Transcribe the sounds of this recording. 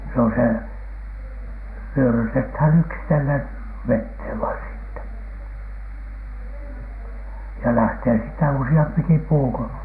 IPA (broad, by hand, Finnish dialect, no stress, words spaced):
se on se wyørytethæn yksitelːen ʋetheˑʋ ʋɑin siːtːæ jɑ læhteː siːtːæ usiɑmpiki puː ko